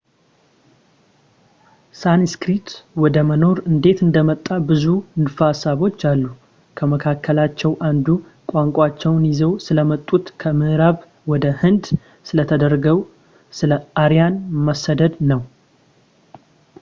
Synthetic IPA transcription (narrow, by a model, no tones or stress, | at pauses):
sanskɾit̪wɔd̪əməno̞ɾɨnd̪e̞t̪ɨnd̪əmət̪ʼːabɨzunfasaβo̞t͡ʃːalːu | kʰəməkʰakʰːəlat͡ʃːɛwʔand̪u | kʷʼaŋkʷʼat͡ʃːɛwnjizəwsɨləmət̪ʼːut̪kʰəmɨʔɨɾaβ | wɔd̪əhɨnd̪ | sɨlət̪ʰəd̪əɾɡəw | sɨləaɾijanməsːəd̪əd̪nəw